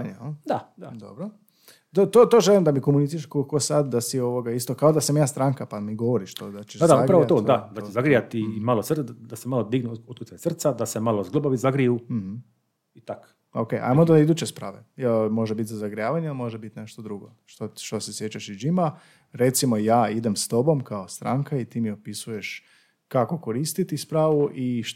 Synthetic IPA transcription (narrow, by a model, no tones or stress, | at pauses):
ɲd̪ad̪ad̪o̰bɾo | t̪ot̪ot̪oʒelimd̪amikomunit̪iɾkolkosad̪d̪asioʋoɡaist̪okaod̪asamjaːst̪ɾaŋkapamiɡoʋoɾiʃt̪od̪at͡ʃeʃad̪aupɾaʋot̪oːd̪ad̪at͡ʃezaɡɾijat̪imalosr̩d̪asemalod̪iɡnuot̪̚kutsasr̩t̪sad̪asemalˠozɡlobaʋizaɡɾijum̩h | it̪ak | okejʔa̰mod̪aid̪uːt͡ɕe̞spɾaːʋejɛlmo̞ʒebit̪zazaɡɾijaːʋaɲealimo̞ʒebit̪ne̞ʃt̪od̪ɾuɡo | ʃt̪oʃt̪osesjet͡ɕaʃid͡ʒima | ɾe̞t̪simojaːid̪e̞mst̪o̞bo̞mkaost̪ɾa̰ŋkait̪imiopisuje̞ʃ | kako̞ko̞ɾist̪it̪ispɾaːʋuʔiʃ